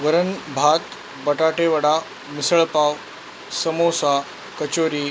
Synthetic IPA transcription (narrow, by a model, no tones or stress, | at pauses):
ʋəɾənbʱat̪ | bəʈaʈeʋəɽa | misəɭpaw | səmosa | kət͡ɕoɾiː